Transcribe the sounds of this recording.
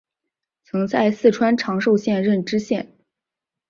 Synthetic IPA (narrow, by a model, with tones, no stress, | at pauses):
t͡sʰɤ˧˥ŋt͡sa˥˧ɪsɹ̩˥˩ʈ͡ʂʰwa˥nʈ͡ʂʰɑ˧˥ŋʂo˥˧ʊɕjɛ˥˧nɻə˥˩nʈ͡ʂɻ̩˥ɕjɛ˥˩n